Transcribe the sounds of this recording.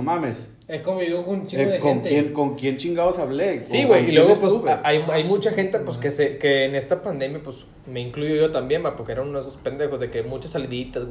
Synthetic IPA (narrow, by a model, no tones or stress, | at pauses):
mames | ekoβiokont͡ʃiɡoðeoenŋt̪enkoŋkjent͡ʃiŋɡaosaβlesiweilweɣopwesaajajmut͡ʃaxent̪epweskesekeːnest̪apand̪emjapwos | meiŋklujojot̪ambjenbapoɾkeeɾaunosospend̪exozðekemut͡ʃasːaliðit̪as